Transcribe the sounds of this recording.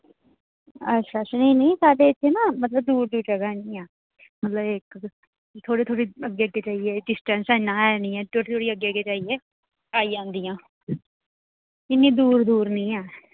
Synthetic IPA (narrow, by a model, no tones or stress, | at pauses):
ətːʃʰaːsnĩːniĩːsaːɖeːɪt̪ʰːeːnãːmət̪ləb̚d̪uːɾd̪uːd͡ʒəɡaːnĩːɛː | mət̪ləbek | t̪ʰoːɽeːt̪ʰoːɽiːəɡeːəɡeːt͡ʃaːieːɖɪsʈə̃nsɛnːãːɛːnĩːɛːt̪ʰoːɽeːt̪ʰoːɽiːəɡeːəɡeːt͡ʃaːieː | aːiːd͡ʒãːnd̪iːjãː | ɪnːiːd̪uːɾd̪uːɾnĩːɛː